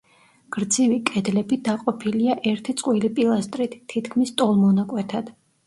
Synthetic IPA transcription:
ɡ̥ɾd̪zivikʼɛd̪lɛbid̪aqʼɔpʰiliaʔɛɾt̪ʰit̪sʼqʼwilipʼilˠast̪ʼɾit̪ʰːit̪kʰmist̪ʼɔlˠmɔnakʼwɛt̪ʰad̪̥

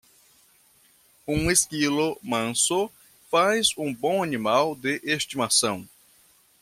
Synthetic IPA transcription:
ũeskilʊmɐ̃so | fajzũbõw̃animawd̪ɪʔest̪imasɐ̃w̃

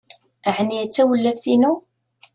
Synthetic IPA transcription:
əʕniæt͡sːæwəlːævθinu

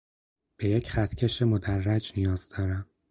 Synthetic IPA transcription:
b̥e̞jecʰχæt̪ʰcʰe̞ʃe̞mo̞d̪ærːæd͡ʒnijɒːz̥d̪ɒːɾæm

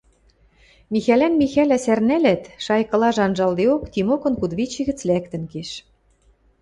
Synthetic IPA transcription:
mixælænmixælæsærnælæt̪ʃɑjkɤ̆lɑʒɑnʒɑld̪eokt̪imokɤ̆nkud̪βit͡ɕĭɣɘ̆t͡slækt̪ɘ̆nkeʃ

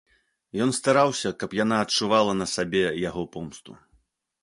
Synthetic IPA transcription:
jɔnst̪aɾawsʲɐkɐpjanaːtt͡ʂuvalˠɐnɐsabʲɛjaɣɔpɔmst̪ṵ

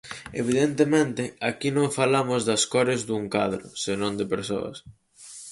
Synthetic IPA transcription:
ḛβ̞iðent̪emẽnt̪ɪakinõŋfalamʊzðɐskɔɾɪzd̪uŋkaðɾʊ̰senõnd̪ɪpeɾso̰ɐ̰s

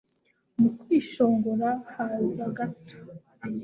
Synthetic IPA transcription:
mukwiːʃo̞ːŋɡoɾahaziaɡato̥

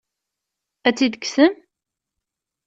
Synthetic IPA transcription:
æt͡sːid̪əksəm

